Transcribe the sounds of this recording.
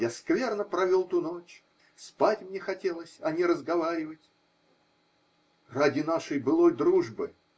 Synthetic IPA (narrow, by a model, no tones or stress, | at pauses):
jaskvʲe̞rnəpɾɐvʲolˠt̪uno̞t͡ɕ | spatʲmnʲexɐtʲe̞lˠəsʲɐnʲɪɾəzɡɐvaɾʲɪvətʲ | radʲɪnaʂəjbɨlˠo̞jd̪ɾuʐbɨ